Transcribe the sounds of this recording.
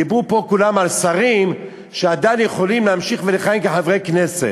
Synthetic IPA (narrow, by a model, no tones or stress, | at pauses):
ibupo̞kulamalsaʁim | ʃead̪ajnjeχo̞limleamʃiχveleχajimkeħavʁejknesḛt